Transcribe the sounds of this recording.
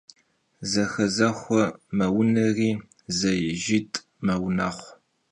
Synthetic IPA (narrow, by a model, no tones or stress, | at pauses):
zɐxɐzɐχʷɔmɐwʊnɐriː | zɐjɪʒɪtʼ | mɐwʊnaːχʷ